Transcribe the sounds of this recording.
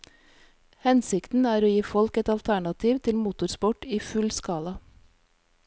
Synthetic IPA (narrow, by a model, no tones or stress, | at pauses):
hɛnsɪkt̪n̩æːɾoːjiːfɔlkɛt̪ɑlt̪ʰæɳɑt̪ʰiːʋt̪ʰɪlmuːt̪ʊɾspɔʈiːfʉlskɑːlɑ